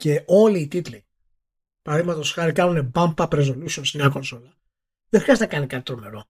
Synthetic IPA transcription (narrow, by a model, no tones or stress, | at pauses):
ce̞o̞liːt̪it̪li | pɐɾɐðiɣmɐt̪o̞sxɐɾikɐnune̞bɐmpɐpɾe̞zo̞lusio̞nsemɲɐko̞nsolɐ | ðexɾiɐzt̪enɐkɐnikɐt̪i̥t̪ɾome̞ɾo̞